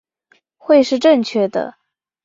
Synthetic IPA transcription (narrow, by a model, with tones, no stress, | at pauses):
xwe˥˧ɪʂɻ̩˥˧ʈ͡ʂə˥˧ŋt͡ɕʰɥɛ˥˩d̪ə̰˩